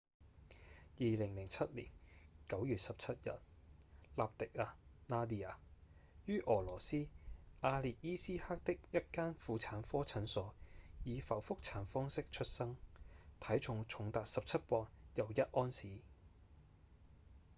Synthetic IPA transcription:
jiː˨lɪ˨˩ŋlɪ˨˩ŋt͡sʰɐ˥t̚lḭː˨˩nkɐ˨˥wjyː˨t̚sɐ˨p̚t͡sʰɐ˥t̚jɐ̰˨t̚laː˨p̚t̪ɪ˨k̚aː˧naː˥d̪iː˧a̰ː˨˩jyː˥ʔɔː˨˩lɔː˨˩siː˥ʔaː˧liː˨t̚jiː˥siː˥haː˥k̚t̪ɪ˥k̚jɐ˥t̚kaː˥nfuː˨˧t͡sʰaː˨˥nfɔː˥t͡sʰɐ˨˥nsɔː˨˧jiː˨˧fɐ˨˩wfʊ˥k̚t͡sʰaː˨˥nfɔː˥ŋsɪ˥k̚t͡ʃʰɵ˥t̚sɐ˥ŋt̪ʰɐ˨˥jt͡ʃʰʊ˨ŋt͡ʃʰʊ˨˥ŋt̪aː˨k̚sɐ˨p̚t͡sʰɐ˥t̚pɔː˧ŋjɐ˨˩wjɐ˥t̚ʔɔː˥nsiː˨˥

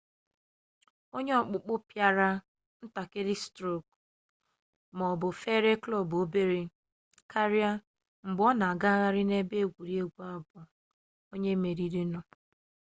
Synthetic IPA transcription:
o˦ɲe˦ɔ˨k͡pʊ˨k͡pʊ˦pja˦ɾa˦ | n̩˦ta˨ke˦ɾɪ˦stɾo˦˨k̚ | mɔ˨bʊ˨fe˦ɾe˦klɔ˦˨bo˦be˦ɾe˨ | kʰa˦ɾja˦ | ŋ͡m̩˨ɡ͡bɔ˦na˨a˨ɡa˦ɣa˦ɾɪ˦ne˦be˦˨ɡʷu˨ɾi˦e˦ɡʷu˦a˦˨bʊ˨ | o˦ɲe˦me˨ɾi˦ɾi˦nɔ˨

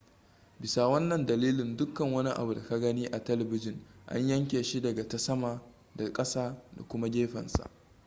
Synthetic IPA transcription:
bɪ˨sa˨wɐ˦nːɐ˨ndɐ˨liː˦lɪ˨ndʊ˦kːɐ˨ŋwɐ˦ni˦ʔa̰˨bu˨da˨ka˦ɡɐ˦niː˦ʔa˨tɐ˦lɐ˨bɪ˦d͡ʒɪ˨ŋʔa̰˦ɲjɐ˦ŋkʲeː˨ʃi˦dɐ˨ɡa˨ta˦sɐ˦maː˨ | da˨kʼɐ˦saː˦da̰˨kʷʊ˦ma˦ɡʲeː˦ɸɐ̰˨nsa̰˨ʔ

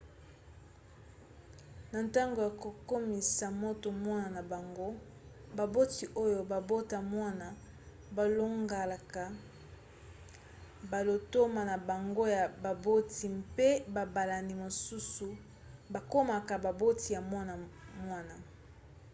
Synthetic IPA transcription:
na˨nta˦ŋɡo˨ja˨ko˨ko˦mi˨sa˨mo˦to˨mwa˦na˨na˨ba˨ŋɡo˦ | ba˨bo˦ti˨ʔo˦jo˨ba˨bo˦ta˨mwa˦na˨ | ba˨lo˦ŋɡa˨la˨ka˨ | ba˨lo˨to˦ma˨na˨ba˨ŋɡo˦ja˨ba˨bo˦tʰi˨mpe˦ba˨ba˨la˨ni˨mo˨su˦su˨ | ba˨ko˦ma˨ka˨ba˨bo˦ti˨ja˨mwa˦na˨mwa˦na˨

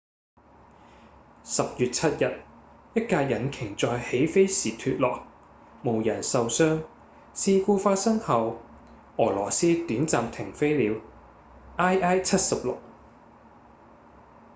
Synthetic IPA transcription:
sɐ˨p̚jyː˨t̚t͡sʰɐ˥t̚jɐ˨t̚jɐ˥t̚kaː˧jɐ˨˩nkʰɪ˨˩ŋt͡sɔː˨jhe˨˥jfe˥jsiː˨˩t̪ʰyː˧t̚lɔː˨k̚ | mo˨˩wjɐ˨˩nsɐ˨wsœː˥ŋ | siː˧kuː˧faː˧t̚sɐ˥ŋhɐ˨w | ɔː˨˩lɔː˨˩siː˥t̪yː˨˥nt͡saː˨mt̪ʰɪ˨˩ŋfe˥jliː˨˧w | ʔaː˥jʔaː˥jt͡sʰɐ˥t̚sɐ˨p̚lʊ˨k̚

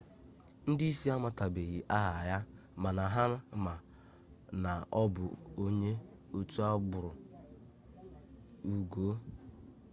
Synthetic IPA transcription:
n̩˦di˦i˦si˦a˦ma˦˨ta˨be˨ɣi˨ʔa˦ɦa˨ja˦ma˨na˨ɦa˦ɾʊ˦ma˨ | na˨ɔ˦bʊ̰˨o˦ɲe˦ | o˦tu˦a˦ɡ͡bʊ˨ɾʊ˨ | u˨ɡo˦

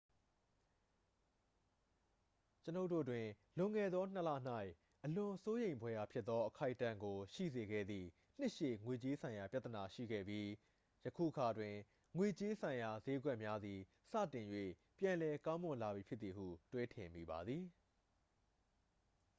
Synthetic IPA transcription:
t͡ɕəno˦ʊtːo̰˦˨twɪ̃˨ | lʊ̃˨ŋɛ˨d̪ðɔ˦n̥ə˦la̰˦˨n̥a˦˨ɪʔ | ʔəlʊ̃˨so˦jẽ˨ɪ̃mbwɛ˦ja˨pʰjɪ˦t̪t̪ːɔ˦ʔəkʰa˦ɪʔtːã˦˨ŋɡo˨ʃḭ˦˨ze˨ɡɛ̰˦˨d̪ðḭ˦˨ | n̥ɪ˦ʔʃḛ˦˨ŋwe˨t͡ɕe˦sʰã˨ɪ̃ja˨pja˦t̪ə˨na˨ʃḭ˦˨ɡɛ̰˦˨bji˦ | jəkʰṵ˦˨ʔəkʰa˨dwɪ̃˨ | ŋwe˨t͡ɕe˦sʰã˨ɪ̃ja˨ze˦ɡwɛ˦ʔmja˦d̪ði˨ | sä̰˦˨tɪ̃˨jwḛ˦˨ | pjã˨nlɛ˨kã˦ʊ̃mʊ̃˨nla˨bji˨pʰjɪ˦t̪t̪ːi˨hṵ˦˨twe˦tʰɪ̃˨mḭ˨ba˨d̪ði˨

